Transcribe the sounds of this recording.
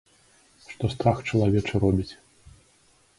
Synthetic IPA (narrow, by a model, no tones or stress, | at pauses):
ʂt̪ɔst̪ɾaxt͡ʂɐlˠavʲɛt͡ʂɐɾɔbʲit͡sʲ